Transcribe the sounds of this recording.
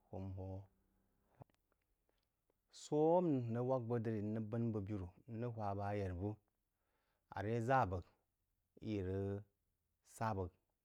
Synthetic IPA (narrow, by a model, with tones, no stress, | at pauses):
ho˨mho˦ | so˦m˨nə˦wa˦k̚bə˦də˦ɾi˨˦nːə˦bə˦nbə˨bi˦ɾu˨˦nə˦hʷa˨ba˨˦je˨ɾbu˦ | a̰˨ɾe˦za˦˨bə˨ɡ | ḭ˦˨ɾə˦ | sa˦˨bə˨k̚